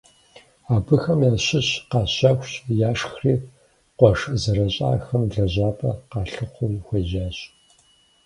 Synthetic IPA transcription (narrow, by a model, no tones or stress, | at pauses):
aːbɨxɐmjaːɕɪɕqɑːɕaːxʷɕʼjaːʂxriː | qʷɔʂzɐɾɐɕʼa̰ːxɐmɮɐʑaːpʰʼɐqɑːɬɨχʷʊxʷɐʒaːɕ